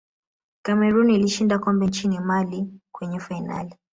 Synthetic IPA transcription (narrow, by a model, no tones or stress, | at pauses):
kamɛɾuniliʃindakɔmbɛnt͡ʃinimalikwɛɲɛfaina̰li